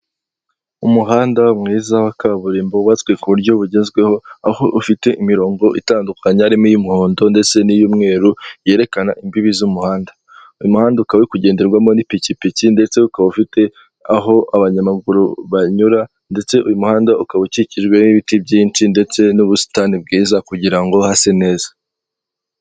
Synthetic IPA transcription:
umuɦaːndaumŋiːzawakaβuɾiːmbouβat͡swe̞kuβuɾɟjo̞βuɟeːnzɡwe̞ho̞aho̞ʔufite̞ʔimiɾo̞ːŋɡo̞ʔḭtaːndukʰaɲeaɾimujumuhoːndo̞nde̞t͡se̞nijuːmŋe̞ːɾuje̞ːɾe̞kanaʔimbiβizumuhaːnda | ujumuhaːndaukaβekuɟeːndeɾɡwamo̞nipicipicinde̞t͡se̞ukaβaufite̞ | aɦo̞aβaɲamaɡuɾuβaɲuɾa | nde̞t͡se̞ʔujumuhaːndaukaβuciciʒɡwe̞niβitibɟiːntinde̞t͡se̞nuβusi̥tanib̚ɡiːzakuɟiɾaŋɡo̞hase̞ne̞ːzḁ

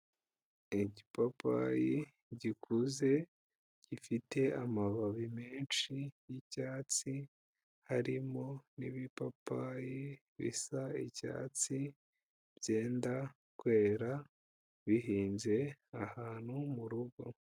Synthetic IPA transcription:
iɟipapa̰ji | ɟikʰuze̞ | ɟ̥ifite̞amaβaβimeːnt͡ʃijicaːt͡si | haɾimo̞niβipapaji | βḭsaḭca̰ːt͡si | bje̞ːnda | kwe̞ːɾa | βiɦiːnze̞ahaːn̥humuɾuɡo̞̰

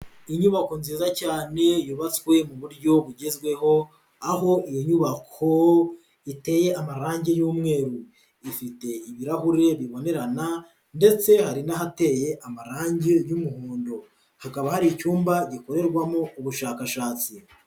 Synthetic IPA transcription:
iɲuβako̞nziːzacaːne̞juβat͡swe̞muβuɾɟo̞βuɟezɡwe̞ho̞ | aɦo̞ʔijoɲuβakʰo̞ | ite̞je̞amaɾaːɲɟe̞juːmŋe̞ːɾu | ifite̞iβiɾahuɾe̞βiβo̞ne̞ɾana | nde̞t͡se̞haɾinaɦate̞je̞ʔamaɾaːɲɟe̞jumuhuːndo | hakaβahaɾicuːmbaɟiko̞ɾe̞ɾɡwamouβuʃaːkaʃaːt͡si

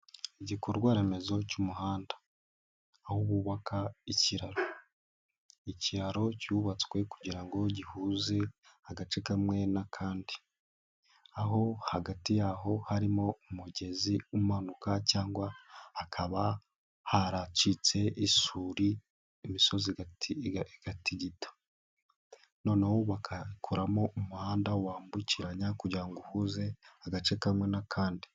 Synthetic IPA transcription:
iɟikooɾɡwaːɾe̞me̞zo̞cumuɦaːndḁː | huβuːβakʰaiciɾaɾo̞ | iciɾaɾo̞cuβat͡swe̞ku̥ɟiɾaŋɡo̞ɟihuːze̞aɡat͡ʃekamwe̞nakʰaːndi | aɦo̞haɡatijaɦo̞haɾimo̞umuɟe̞ziumanukacaːŋɡwaːkʰaβa | haɾat͡ʃit͡se̞isuːɾiː | miso̞ziɡatʰiiɡ̥atiɟitḁ | no̞ːneho̞βakʰakʰoɾamo̞umuhaːndawaːmbuciɾaɲakuɟaŋɡuhuze̞aɡat͡ʃe̞kamŋe̞nakʰaːndi

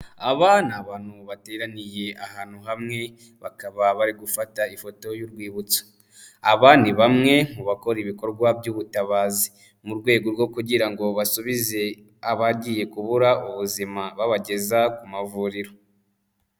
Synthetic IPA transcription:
aβanaβaːn̥huβateɾanije̞ahaːn̥huɦamŋe̞ | βakaβaβaɾiɡufataifo̞to̞juɾɡwiːβut͡sḁ | aβaːndiβamŋe̞ŋ̥uβako̞ɾiβiko̞ɾɡwabjuβutaβaːzi | muɾɡwe̞ːɡo̞ɾɡo̞kuɟiɾaŋɡo̞βasuβize̞ | aβaɟiːje̞kuβuɾaʔuβuzimaβaβaɟe̞zakumavuːɾiɾo̞

